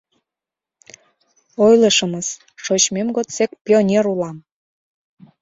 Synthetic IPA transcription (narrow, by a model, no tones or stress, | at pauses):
ojləʃəməs | ʃot͡ɕmemɡot̪t͡sek̚pʲionʲeɾulɑm